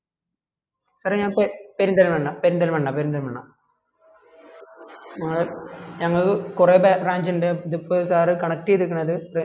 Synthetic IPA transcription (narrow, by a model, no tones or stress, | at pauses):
sɐɾɐɲaːnpepeɾund̪ɐlɐmɐɳːapeɾund̪ɐlɐmɐɳːapeɾund̪ɐlɐmɐɳːa̰ | ɲɐŋːɐɭɲɐŋːɐɭkureːbaraːɲd͡ʑinded̪ipːɨsaːrɨkɐɳɐk̚ʈːɨjeðukʲːɐnːɐðɨre